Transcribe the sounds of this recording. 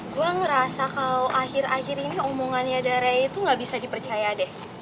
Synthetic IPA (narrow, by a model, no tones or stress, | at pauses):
ɡuaŋəɾasakalawʔahɪrahiɾiniomoŋanɲadaɾait̪uŋɡaʔbisadipərt͡ʃajadɛh